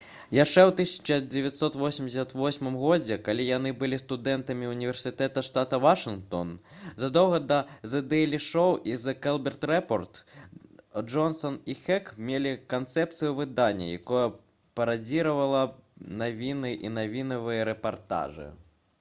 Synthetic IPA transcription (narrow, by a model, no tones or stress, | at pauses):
jaʂt͡ʂɛwt̪ɨsʲɐ̥t͡ʂɐd͡zʲɛvʲat̪sɔt̪vɔsʲimd͡zʲɪsʲɐt̪vɔsʲmɨmɣɔd͡zʲɛkalʲijanɨbɨlʲist̪ud̪ɛnt̪ɐmʲiunʲivʲɛrsʲɨt̪ɛt̪ɐʂt̪at̪ɐvaʂɨnkt̪ɔ̰nzɐd̪ɔwɣɐd̪ɐzɛd̪ɛɛlʲiʂɔwizɐkɛlˠbʲɛrt̪rɛpɔrt̪ | d͡ʐɔnsɔnixɛkmʲelʲikant̪sɛpt̪sɨjuvɨd̪anʲːɐ̰ja̰kɔjɐ | pɐɾad͡zʲiɾɐvɐlˠɐnavʲinɨʔinavʲinɐvɨjɐɾɛpart̪a̰ʐɨ̰